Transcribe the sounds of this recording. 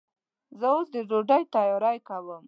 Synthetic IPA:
zəosd̪əd͡ʒoɖajt̪ɑjɑɾajkawəm

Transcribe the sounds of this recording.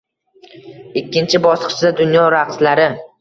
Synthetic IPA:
ɪkʲːɪnt͡ʃʰɪbɒsqt͡ʃʰɪd̪ad̪ʊnjɒɾaqslaɾɪ

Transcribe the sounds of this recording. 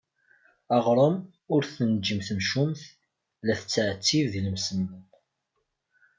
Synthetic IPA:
ɑʁɾˤəm | ʊɾθənd͡ʒəmθəmʃumθ | læθət͡sːʕt͡sːivðiləmsən

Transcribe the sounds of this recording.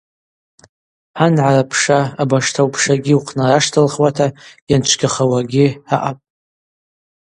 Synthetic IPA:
anʕarapʰʂaːbaʂtʰawpʰʂaɡʲiuqʰnaraʂtʰalχwatʰajant͡ʃʷʰɡʲaχawaɡʲiaʔapʼ

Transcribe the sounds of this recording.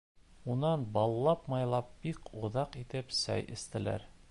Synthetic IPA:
unɑnbɒlˠlːˠɑpmɑjlˠɑp̚b̥ikŭðɑqit̪ɘpsæ̰jʔɘ̆st̪ɘ̆læ̰ɾ

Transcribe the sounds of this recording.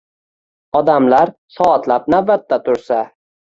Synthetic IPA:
ɒd̪amlaɾsɒːt̪lap̚nabat̪ːat̪ʰʊɾsa

